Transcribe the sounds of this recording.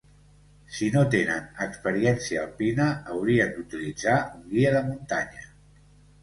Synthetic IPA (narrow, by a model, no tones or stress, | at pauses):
sinot̪enənəkspəɾiɛnsiəːlpinəːwɾiənd̪ut̪ilid͡zauŋɡiəðəmunt̪aɲə